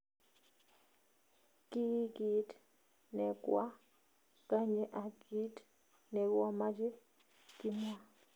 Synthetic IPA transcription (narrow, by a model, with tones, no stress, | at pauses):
ki˦ɡi˨t | nɛ˨kwa˦ | ka˦ɲe˦ʔa˨ɡi˦t | nɛ˨kwa˦ma˦d͡ʒe˦ | ki˦mwa˦˨